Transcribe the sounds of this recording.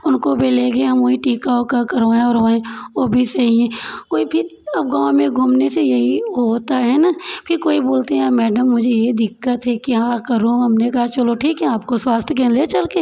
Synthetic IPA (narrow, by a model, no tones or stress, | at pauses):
ʊnkobʱeleːɡeɦɐmoːiʈiːkaoːkakɐɾoẽɔːɾɦoẽoːbʱisɐɦiɛ̃koːipʰɪɾɐb̚ɡãːʋmẽɡʱuːmnesejɐɦiɦɦoːt̪aɦɛnaːpʰɪɾkoːiboːlt̪eɦɛ̃aːmɛːɖəmːʊd͡ʒʱejed̪ɪkːət̪ɦɛkiɦãkɐɾũɦɐmnekɐɦat͡ʃɐloʈʰiːkɦɛaːp̚koswaːst̪ʰkẽnlet͡ʃɐlkeː